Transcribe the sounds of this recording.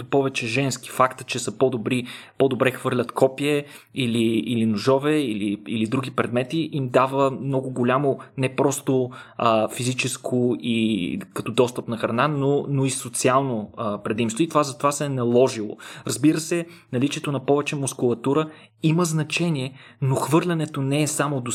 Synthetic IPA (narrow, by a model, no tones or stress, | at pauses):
opɔvɛt͡ʃɛʒɛnski̥fakt̪ə̥t͡ʃɛsəpɔd̪obɾipɔd̪obɾɛxvɤɾlʲət̪kʰɔpiɛ | iliːlinʊʒɔvɛiliilid̪ɾuɡ̟ipɾɛd̪mɛt̪iʔimd̪avəmnɔɡʊɡolʲamonɛpɾɔst̪oəfizit͡ʃɛskʰoikɐt̪ɔd̪ɔst̪əpnɐxɾɐnanonoisot̪sialˠnoəpɾɛd̪imst̪voit̪ovazɐt̪ovasɛnɐlˠɔʒilˠo̰ɾɐzbiɾəsɛ | nɐlit͡ʃiɛt̪onɐpɔvɛt͡ʃɛmʊskʊlˠɐt̪uɾə | iməznɐt͡ʃɛniɛ | noxvɤɾlʲɐnɛt̪onɛːsamod̪o